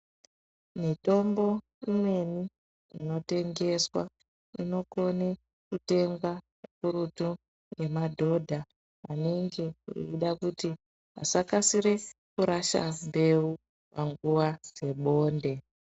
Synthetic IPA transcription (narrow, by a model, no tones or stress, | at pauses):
mito̞mbo̞ | imwe̞ni | ino̞te̞ŋɡe̞swa̰ | ino̞ko̞ne | kute̞ŋɡa | akuɾutu | ɡe̞madʱo̞dʱa | aneŋɡe̞ḭiɗakuti | ɦa̰sakasiɾe̞kuɾaʃa̰mbe̞u | paŋɡuʋad͡ze̞ɓo̞ːnde̞